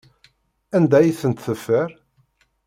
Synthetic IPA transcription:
ænd̪æjiθənt̪θəfːəɾ

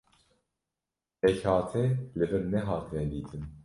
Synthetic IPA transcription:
ɛçhɑːt̪ʰɛlɨvɨɾnɛɦɑːt̪ʰvɛnd̪iːt̪ʰɨm

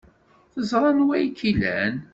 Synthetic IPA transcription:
θəzˤɾˤɑnwæjkʰːilæ̰n

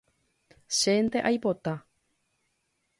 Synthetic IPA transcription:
ʃent̪eʔajpo̞t̪a

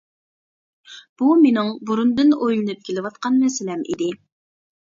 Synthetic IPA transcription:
b̥umenɪŋbuɾund̪ɨnojlˠɨnɨp̚kʲʰelɪwɑt̪qɑnmɛsɪlɛmʔḭd̪ɪ

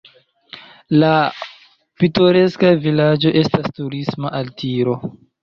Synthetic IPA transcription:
la | pitoɾe̞skavilad͡ʒo̞ʔe̞stastuɾismaʔaltiɾo̞

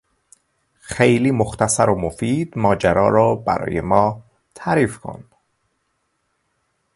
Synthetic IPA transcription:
xejliːmoxt̪æsæɾomofiːd̪̥mɒːd͡ʒæɾɒ̰ːɾɒːbæ̰ɾɒ̰ːjḛmɒː | t̪ʰæɾiːfkʰo̞̰n

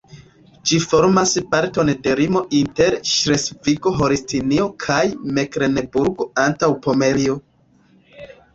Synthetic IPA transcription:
d͡ʒifo̞ɾmaspaɾto̞nde̞ɾimo̞ʔinte̞ɾʃɾesfiko̞ɦo̞ɾistʰinio̞kʰajme̞kɾe̞nebuɾɡo̞antawpo̞me̞ɾio

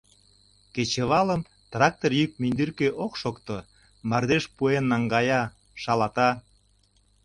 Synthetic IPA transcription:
ket͡ɕeβɑləm | t̪rɑk̚t̪orjyk̚mynd̪yrkeʔokʃokt̪o | mɑrd̪eʃpuenːɑŋɡɑjɑ | ʃɑlɑt̪ɑ

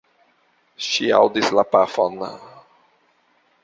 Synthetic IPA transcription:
ʃia̰wdislapafo̰n

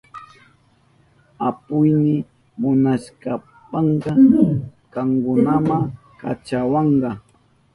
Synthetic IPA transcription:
apʊjnɪ | mʊnaʃka | pɑɴɢɑ | kɑŋkʊnamaŋ | ka̰t͡ʃawɑɴɢɑ

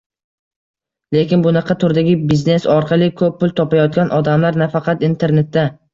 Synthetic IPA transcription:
le̞kʲɪnbʊnɑqʰɑt̪ʰʊɾd̪aɡʲɪbizne̞sɒɾqʰɑlˠɪkʰɵpːʊlˠt̪ʰɒpajɒt̪̚ɡʲanʔɒd̪amlaɾnafɑqʰɑt̪int̪ʰe̞ɾne̞t̪ːa

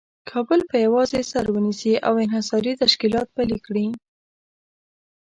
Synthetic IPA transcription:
kʰɑbəlpəjawɑzesaɾwənisiʔa̰wɪnhɪsɑɾit̪aʃkilɑt̪̚palikɽi

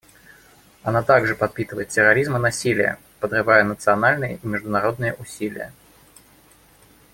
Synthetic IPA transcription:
ɐnat̪aɡʐɨpɐt̪̚pʲit̪ɨvəjɪt̪̚ʲtʲɪɾɐɾʲizmɨnɐsʲilʲɪ̰jə̰ | pəd̪rɨvajənət̪sɨɐnalʲnɨjə̰imʲɪʐd̪ʊnɐɾo̞d̪nɨjəʔʊsʲilʲɪ̰jə̰

